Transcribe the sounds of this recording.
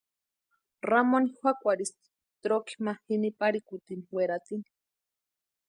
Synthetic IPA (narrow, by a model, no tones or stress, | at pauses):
ramonixʷwʷakʷaɾisi̥ | t̪ɾoki̥mahinipaɾikut̪iniweɾat̪ini̥